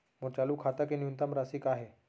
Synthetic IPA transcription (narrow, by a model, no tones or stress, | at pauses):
məɽt͡ɕaluːkʰat̪akiniunt̪amɾasiːkaɦe